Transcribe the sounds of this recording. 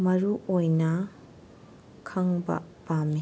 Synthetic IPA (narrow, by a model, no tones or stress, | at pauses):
mɐɾuʔojnɐ | kʰɐŋbɐ̰pami